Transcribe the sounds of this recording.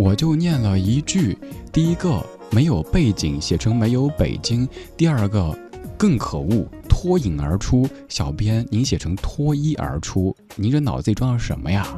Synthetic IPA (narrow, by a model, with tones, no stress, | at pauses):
wɔ˨˩t͡ɕjo˥˧ʊnjɛ˥˩nlə˩i˧˥t͡ɕy˥˩t̪i˥˩i˧˥ɡə˧ | me˧˥ɪjo˨˩ʊpe˥˩ɪt͡ɕi˨˩˦ŋɕjɛ˨˩ʈ͡ʂʰɤ˧˥ŋme˧˥ɪjo˧˥ʊpe˨˩ɪt͡ɕi˥ŋt̪i˥˧ɐ˞˥˧ɡə˧kɤ˥˩ŋkʰɤ˨˩u˥˩t̪ʰwɔ˥i˨˩ŋə̰˞˧˥ʈ͡ʂʰu˥ | ɕjɑ˨˩ʊpjɛ˥nni˧˥nɕjɛ˨˩ʈ͡ʂʰɤ˧˥ŋt̪ʰwɔ˥i˥ʔə̰˞˧˥ʈ͡ʂʰu˥ | ni˧˥nʈ͡ʂə˥˧nɑ˨˩ʊt͡sɹe˥˩ɪʈ͡ʂwɑ˥ŋlə˧˩ʂə̰˧˥nmə˧ja˥˧